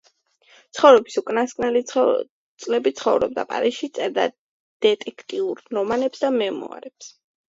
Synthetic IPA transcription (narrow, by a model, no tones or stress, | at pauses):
t̪sʰχɔvɾɛbisukʼnaskʼnɛl | t̪sʼlɛbit̪sʰχɔvɾɔ̰b̚d̪a̰pʼa̰ɾiʃit̪sʼɛɾd̪a̰ | d̪̥ɛt̪ʼɛkʰt̪ʼiuɾnɔmanɛpsd̪amɛmɔ̰a̰ɾɛps